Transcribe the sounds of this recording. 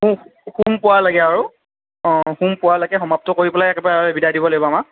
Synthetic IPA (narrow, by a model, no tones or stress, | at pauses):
uxumpʊwalaɡɛaɹu | xumpʊwalaɡɛxɔmap̚tɔkoɹipɔlajɛkɛbaɛbidadibɔloibɔama